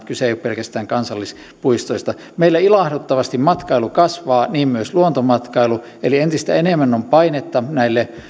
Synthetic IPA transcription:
t̪kyseˑijoppelkæst̪æːŋkɑnsɑlːis | puist̪oist̪ɑ | meilːæilɑhdut̪ːɑʋɑst̪immɑt̪kɑilukɑsʋɑːniːmmyøsluont̪omɑt̪kɑilu | elient̪ist̪æ̰enemːænːompɑinet̪ːɑnæilːe

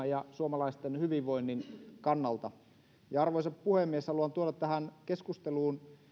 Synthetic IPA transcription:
jɑsuomɑlɑist̪enhyʋiʋʋoinːinkɑnːɑlt̪ɑ | jɑɑrʋoisɑppuhemːieshɑluɑnt̪uoɾɑt̪t̪ːæhænkeskust̪eluːn

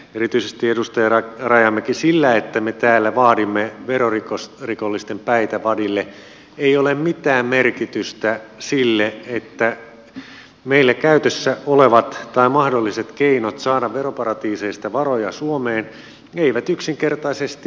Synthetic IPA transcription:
eɾit̪yisest̪iedust̪ɑjɑɑrɑjɑmːekisilːæet̪ːæmet̪æːlːæʋɑːdimːeʋeɾorikosrikolːist̪empæit̪æʋɑdilːe | eiolemmit̪æːmmerkit̪yst̪æsilːeet̪ːæ | meilːækæyt̪øsːæoleʋɑt̪t̪ɑimɑhdolːiset̪keinot̪sɑːdɑʋʋeɾopɑɾɑt̪iːseist̪ɑʋɑrojɑsuomeːn | eiʋæt̪yksiŋkert̪ɑisest̪i

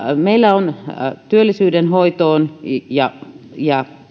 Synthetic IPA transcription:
meilːæont̪yølːisyːdenhoit̪oːnjɑjɑ

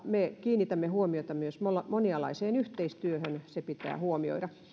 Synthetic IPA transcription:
mekiːnːit̪æmːehuomiot̪ɑmyøsmolɑmoniɑlɑ̰iseːnyht̪eist̪yøhønsepit̪æ̰ːhuomio̰iɾɑ

